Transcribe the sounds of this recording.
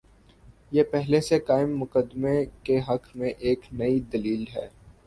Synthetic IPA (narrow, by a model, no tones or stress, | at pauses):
jepɛɦlesekaːɪmːʊkəd̪mekeɦɐkmẽʔeːknɐid̪ɐliːlɦɛː